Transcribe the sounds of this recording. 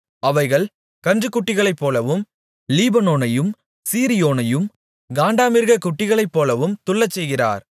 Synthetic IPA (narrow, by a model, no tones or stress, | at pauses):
ɐʋɐɪɣɐɭ | kɐndrɯkːʊʈːɪɣɐɭɐɪpːoːlɐʋɯm | liːbɐnoːnɐjɯm | siːɾɪjoːnɐjɯm | ɡaːɳɖaːmɪɾɣɐkːʊʈːɪɣɐɭɐɪpːoːlɐʋɯmt̪ʊɭːɐt͡ʃːɛjɣɪra̰ːɾ